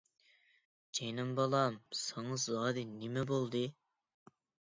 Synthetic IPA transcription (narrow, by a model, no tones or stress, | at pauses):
d͡ʒejnɨmbɑlˠɑmsɑŋɑzɑːd̪ɨnɪmɛbolˠd̪ɨ